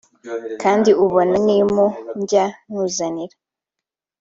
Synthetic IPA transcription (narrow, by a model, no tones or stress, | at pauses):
kaːndiuβonanimuɲɟanuːzaniɾa